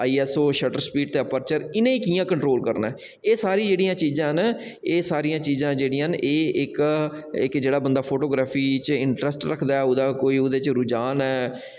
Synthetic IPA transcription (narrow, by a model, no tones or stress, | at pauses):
aːiːɛːsoːʃəʈəɾspiːɖt̪eːəpəɾt͡ʃəɾɪnẽːiːkiːjãːkəɳʈɾoːlkəɾnɛ̰ː | eːsaːɾĩːd͡ʒeːɽijãːt͡ʃiːzãːɦn | eːsaːɾijãːt͡ʃiːzãːd͡ʒeːɽiːãneːɪk | ɪkd͡ʒeːɽaːbənd̪aːpʰoːʈoːɡɾaːpʰiːt͡ʃɪɳʈɾɛsʈɾəkʰd̪aːɛʊd̪aːkoːiːʊd̪eːt͡ʃɾʊd͡ʒaːnɛː